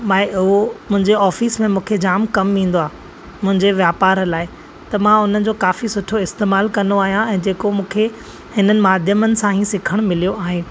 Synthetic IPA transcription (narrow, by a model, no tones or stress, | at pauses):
maːɪʊɦomʊ̃ɦɪ̃ɲd͡ʑeɔːfiːsmẽmũːkʰed͡ʑaːmkɐmʋĩːn̆d̪oaː | mʊ̃ɦɪ̃ɲd͡ʑeʋjaːpaːɾlaːɪ | t̪ɐmãʊn̤ənɪ̆d͡ʑoːkaːfisʊʈʰoɪst̪eːmaːlkɐ̃nd̪oaːɦijãɛ̃ːd͡ʑeːkomũːkʰe | hɪnənɪ̆maːd̪ʱjəmənɪ̆sãɦĩsɪkʰəɽ̃mɪlijoaːɦẽː